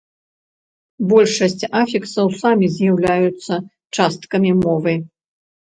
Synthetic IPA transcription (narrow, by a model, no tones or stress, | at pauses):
bɔlʲʂɐsʲt͡sʲafʲiksɐwsamʲizʲjawlʲajut̪sːɐ | t͡ʂast̪kɐmʲimɔvɨ